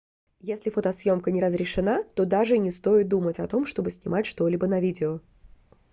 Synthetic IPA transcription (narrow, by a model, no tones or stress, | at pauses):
jesʲlʲɪfot̪ɐsjo̞mkənʲɪɾəzɾʲɪʂɨnat̪o̞d̪aʐɨnʲɪst̪o̞jɪt̪̚d̪umətʲɐt̪o̞mʂt̪o̞bɨsʲnʲɪmatʲʂt̪o̞lʲibənɐvʲidʲɪo